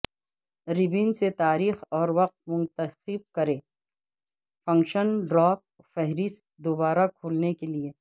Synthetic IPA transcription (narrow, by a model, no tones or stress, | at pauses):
ɾɪbiːnset̪aːɾiːxɔːɾʋɐq̚t̪̚mʊ̃nt̪əxɪb̚kɐɾẽː | fɐ̃ŋkʃənɖɾɔːp̚ | fɛɦɾɪst̪̚d̪obaːɾakʰoːlnekelieː